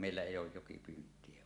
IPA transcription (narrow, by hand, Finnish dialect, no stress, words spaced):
meilːæ eˑijˑ oːj jokipyːntˑie